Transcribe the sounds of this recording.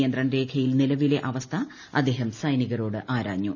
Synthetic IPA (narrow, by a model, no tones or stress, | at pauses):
jɐnd̪rɐɳɾe̞ːkʰɐjilnilɐʋile̞ʔɐʋɐst̪ʰɐ | ɐ̰d̪ːe̞ːɦɐmsɐjniɣɐɾo̞ːɽɨʔaːɾa̰ːɲːu